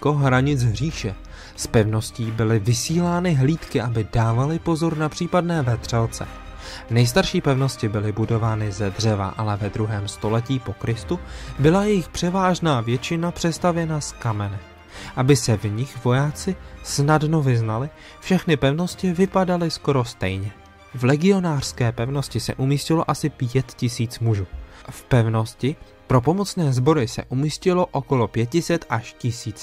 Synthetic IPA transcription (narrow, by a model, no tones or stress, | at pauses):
koɦɾaɲɪt͡sɦriːʃɛ | spɛvno̞sciːbɪlɪvɪsiːlaːnɪɦliːt̪kɪʔabɪdaːvalɪpo̞zo̞ɾnapr̝̥iːpadnɛːvɛt̪r̝̥ɛlt͡sɛ̰ | nɛjs̬t̪aɾʃiːpɛvno̞scɪbɪlɪbudo̞vaːnɪzɛdr̝ɛva̰ʔalɛvɛd̪ɾuɦɛːmst̪o̞lɛciːpo̞kɾɪst̪ubɪlajɛjɪxpr̝̥ɛvaːʒnaːvjɛt͡ʃɪnapr̝̥ɛst̪avjɛnaskamɛnɪ | ʔabɪsɛvɲɪxvo̞jaːt͡sɪsnadno̞vɪznalɪ | fʃɛxnɪpɛvno̞scɪvɪpadalɪsko̞ɾo̞st̪ɛ̰jɲɛ | vlɛɡɪo̞naːr̥skɛːpɛvno̞scɪsɛ̰ʔumiːscɪlo̞̰ʔasɪpjɛt̪cɪsiːt͡smuʒuːfpɛvno̞scɪ | pɾo̞p̬o̞mo̞t͡snɛːzbo̞ɾɪsɛ̰ʔumiːscɪlo̞ʔo̞ko̞lo̞pjɛt̪̚cɪsɛt̪ʔaʃcɪsiːt͡s